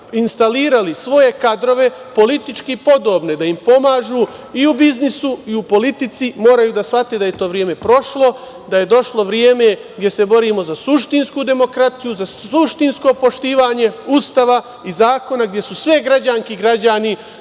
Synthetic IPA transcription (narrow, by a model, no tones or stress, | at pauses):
inst̪aliːɾalisʋo̞je̞kad̪ɾo̞ʋe̞po̞lit̪it͡ʃkipo̞d̪o̞ːbne̞d̪aimpo̞maːʒu | iubiznisuiupo̞lit̪it̪simo̞ːɾajuːd̪asfat̪eːd̪aje̞t̪o̞ːʋɾje̞ːme̞pɾo̞ʃlo̞ | d̪aje̞d̪o̞ʃlˠo̞ʋɾjeːme̞ | ɡd̪je̞se̞bo̞ɾiːmo̞zasuʃt̪inskuːd̪e̞mo̞kɾat̪ijuzauʃt̪insko̞po̞ʃt̪iːʋaːɲe̞ust̪aʋa | izaːko̞naɡd̪je̞susʋeɡɾad͡ʑaŋkiɡɾad͡ʑani